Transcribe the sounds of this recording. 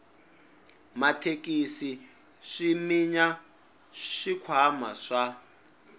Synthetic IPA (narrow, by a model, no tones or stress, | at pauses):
matʰekʼisi | ʂimiɲa | ʂikʰwama̰ʂa